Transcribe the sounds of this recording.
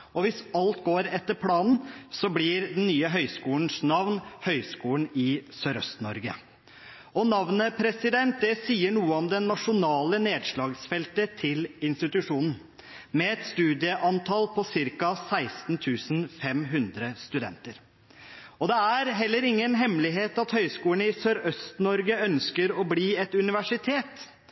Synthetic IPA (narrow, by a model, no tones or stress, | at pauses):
ɔʋɪsɑlt̪̚ɡoːɾɛt̪ːəɾpʰlɑːnn̩sɔblɪɾd̪ɛnnyːəɦœʏskuːln̩snɑʋnhœʏskuːlənɪsœɾœ̰st̪nɔɾɡə̰ | ɔnɑʋnəpʰɾɛsɪd̪ɛnt̪̚d̪ɛsiːəɳuːəɔmd̪ɛnːɑʂʊnɑːləneːd̪ʂɭɑːɡsfɛlt̪ət̪ʰɪlɪnst̪ɪt̪ʉʂuːnn̩ | mɛɛt̪st̪ʉːd̪ɪəʔɑnt̪ʰɑlpʰɔsɪɾkɑsæɪst̪n̩t̪ʰʉːsnfɛmɦʉnd̪ɾəst̪ʉd̪ɛ̰nt̪əɾ | ɔd̪ɛæɾɦɛlːəɾɪŋːənɦɛmlɪɦeːt̪ɑt̪hœʏskuːəɳ̩ɪsøːɾœst̪nɔɾɡəœnskəɾɔbliːɛt̪ʉnɪʋæʂɪt̪ʰeːt̪